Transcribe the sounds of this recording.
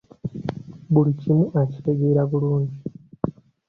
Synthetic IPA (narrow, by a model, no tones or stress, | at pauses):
bulicimuʔaci̥te̞ɡeːɾaβuluːɲɟi